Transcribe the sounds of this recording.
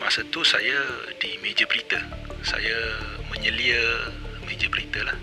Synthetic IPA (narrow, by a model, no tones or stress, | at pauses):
masat̪usa̰jadimẽd͡ʒəbəɾit̪asa̰jamə̃ɲəliəmẽd͡ʒəbəɾit̪alah